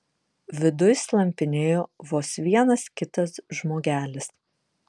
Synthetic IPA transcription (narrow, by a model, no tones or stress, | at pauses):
ʋʲɪd̪ʊjslˠɐmʲpʲɪnʲeːjoːʋoːsʋʲiɛnɐskʲɪt̪ɐsʒmoːɡʲæːlʲɪs